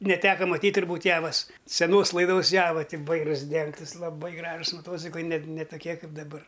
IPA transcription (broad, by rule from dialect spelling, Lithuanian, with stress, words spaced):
nʲɛˈtʲæːkɐ mɐˈtʲiːtʲ tʊrˈbuːtʲ ˈjæːʋɐs sʲɛˈnoːs lˠɐɪˈdoːs ˈjæːʋɐ tʲɪ ˈʋɐɪrʊs ˈdʲɛŋktɨs lˠɐˈbɐɪ ˈɡrɑːʒʊs mɐˈtoːt͡sʲɪklˠɐɪ nʲɛ t nʲɛ toːˈkʲiɛ ˈkɐɪp dɐˈbɐr